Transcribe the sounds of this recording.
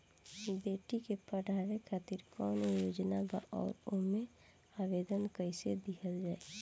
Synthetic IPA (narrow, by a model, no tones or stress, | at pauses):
beːʈikepəɽ̤ʱaɾekʰaːt̪iɾkɔːnjoːd͡ʒnaba̰ʔɔ̰ːɾomẽ | aːʋeːd̪ənkəɪsed̪ikʰəld͡ʒaːe